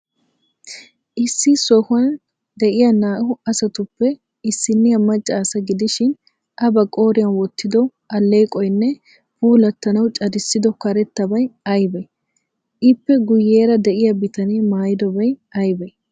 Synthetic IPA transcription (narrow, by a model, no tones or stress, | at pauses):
ʔɪsːɪsɔhʊɐn | d̪ɛʔɪjɐnaːʔʊɐsɐt̪ʊpːɛ | ɪsːɪnːɪjɐmɐt͡ʃʼːaːsɐɡɪd̪ɪʃɪn | ʔɐbɐkʼo̞ːɾɪjɐnwɔt̪ːɪd̪ɔ | ʔɐlːe̞ːkʼɔjɪnːɛ | buːlɐt̪ːɐnɐwt͡ʃʼɐd̪ɪsːɪd̪ɔkɐɾɛt̪ːɐbɐjɐjbɛ | ʔɪpːɛɡʊjːe̞ːɾɐd̪ɛʔɪjɐbɪt̪ɐnimaːjɪd̪ɔbɐjɐjbɛ